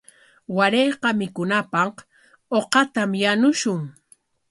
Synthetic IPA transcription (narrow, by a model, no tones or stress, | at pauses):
waɾejqɑmɪkʊnapɑq | oqɑt̪amjanʊʃʊŋ